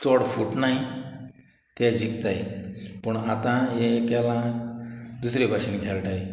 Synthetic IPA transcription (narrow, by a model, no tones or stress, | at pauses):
t͡sɔɽfuʈnaj | t̪ɛd͡ʑikt̪ajpəɳat̪ãjekɛlã | d̪usɾebʱaɕinɡʱɛlʈaje